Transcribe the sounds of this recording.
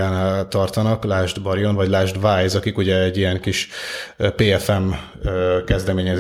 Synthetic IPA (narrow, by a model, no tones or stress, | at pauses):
aːnaːlt̪ɒrt̪ɒnɒklaːʒd̪bɒɾijo̞nvɒɟlaːʒd̪vaːjzɒkikuɟɛɛɟːijɛŋkiʃ | peːɛfɛm | kɛzd̪ɛmeːɲɛz